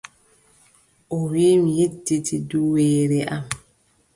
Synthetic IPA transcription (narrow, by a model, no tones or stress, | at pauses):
ʔɔwiːmjedːitiduweːɾɛʔam